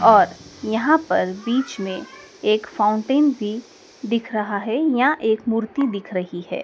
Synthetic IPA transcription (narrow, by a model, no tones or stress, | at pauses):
ɔːɾjɐɦãpɐɾbiːt͡ʃmẽ | eːkfãːʊ̃ɳʈeːnbʱi | d̪ɪkʰɾɐɦaɦɛjaʔeːkmuːɾt̪id̪ɪkʰɾɐɦihɛ̰ː